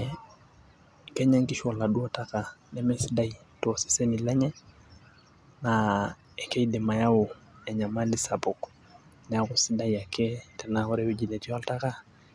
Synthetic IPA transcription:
kɛɲaŋkiʃɔlaɗuɔtakanɛmɛsidaitɔsi̥senilɛɲɛ | na | ɛkɛidɛmajawu | ɛɲamalisabɔk | nɛakusidajakɛtɛnahɔɾɛwud͡ʒilɛtialtaka

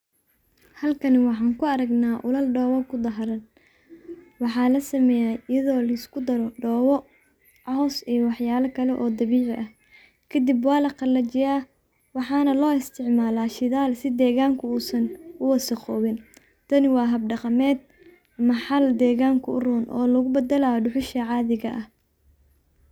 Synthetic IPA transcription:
hɐlkʰɐnɪwɑħɑːŋkʰʊɐɾɐɡnaːʔʊlɐlɖɔːwɐkʰʊd̪ɐɦɐɾɐn | wɑħɑːlɐsɐmɛːjaːɪjɐðɔːlɐskʰʊd̪ɐɾɔɖɔːwɔ | ʕɑɦɔsijwɑħjaːlɐkʰɐlɛʔɔːd̪ɐβiːʕɪʔɐh | kʰɐd̪ɪbwɑːlɐqɑlɐt͡ʃɪjaː | wɑħɑːnɐlɔːɪst̪ʰɪʕmaːlaːʃɪðaːlsɪd̪ɛːɣaːŋkʰʊuːsɐnʊwɐsɐqɔːβɪn | t̪ʰɐnɪwɑːɦɐb̚ɖɑqɑmɛːd̪̚ | ɐmɐħɑld̪ɛːɣaːŋkʰʊʊruːnʔɔ̰ːlɐɣʊbɐd̪ɐlaɖʊħʊʃɐʕɑːðɪɣɐʔɐh

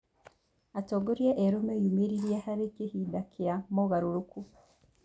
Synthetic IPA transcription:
atoɡoɾieʔeɾomejumiɾiɾiehaɾikihidakʰijamoɣaɾuɾuku

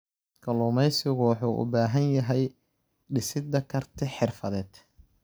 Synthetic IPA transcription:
kʰɐlʊːmɛjsɪɣʊwɑħuːʔʊ̰baːɦɐnjɐɦɛj | ɖɪsɪd̪ɐkʰɐrt̪ʰɪħɪrfɐðɛːd̪̥

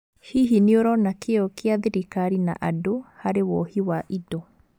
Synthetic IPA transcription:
hiɦineoɾɔnakeɔkeaðiɾikaɾina̰ʔadohaɾewɔhiwaʔidɔ

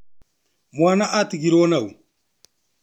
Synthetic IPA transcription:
mwaːnaʔat̪iɡiɾɔnau

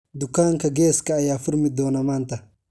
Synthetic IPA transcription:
d̪ukːaːŋkɐɡɛːskɐːjaːfʊɾmɪd̪ɔːnɐmaːnt̪ɐ

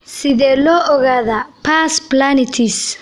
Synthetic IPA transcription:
siðɛlɔʔɔɣaðapʰasplanit̪ʰis

